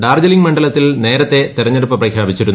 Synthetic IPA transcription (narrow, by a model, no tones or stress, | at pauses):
ɖaːrd͡ʑɐliŋɡmɐɳɖɐlɐt̪ːilne̞ːɾɐt̪ːe̞t̪irɐɲːeɽupːɐprɐkʰjaːbit͡ɕːiɾun